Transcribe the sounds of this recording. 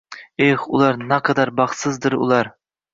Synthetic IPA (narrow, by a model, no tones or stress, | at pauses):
eχʊlˠɑɾnaqʰɑd̪aɾbɑχt̪sɪzd̪ɪɾʊ̰lˠɑɾ